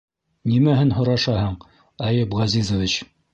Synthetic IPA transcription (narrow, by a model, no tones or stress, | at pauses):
nimæhɘnɦŏɾɑʃɑɦɤɴ | ɑjɤpʁɑzizŏvʲit͡ɕ